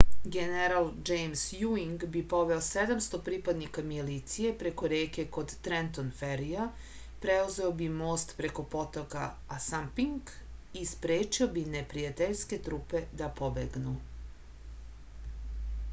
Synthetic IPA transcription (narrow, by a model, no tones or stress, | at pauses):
ɡeneɾald͡ʒejmsjuiŋɡbipo̞ʋeosed̪amst̪opɾiːpad̪nikamilit̪sije̞pɾe̞ko̞ɾeːke̞ko̞d̪t̪ɾent̪onfeɾija | pɾeuze̞obimoːst̪pɾe̞ko̞po̞t̪oka | asampiŋɡispɾeːt͡ʃiobinepɾijat̪eʎske̞t̪ɾuːpe̞d̪apo̞bḛɡnu